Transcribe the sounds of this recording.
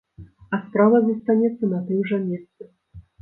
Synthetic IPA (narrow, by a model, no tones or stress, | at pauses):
ɐspɾavɐzɐst̪anʲɛt̪sːɐnat̪ɨmʐɐmʲɛst̪sɨ